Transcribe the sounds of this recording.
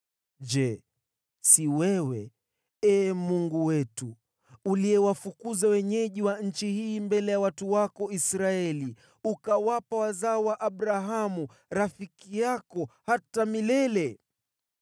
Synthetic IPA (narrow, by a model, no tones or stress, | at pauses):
d͡ʒɛ | siwɛwɛ | ɛːmuŋɡuwɛtu | uliɛwafukuzawɛɲɛʄiwaɲ̩t͡ʃihiːmbɛlɛjawatuwakɔisɾaɛli | ukawapawazaɔwaʔaɓɾaɦamu | ɾafikijakɔhatamilɛlɛ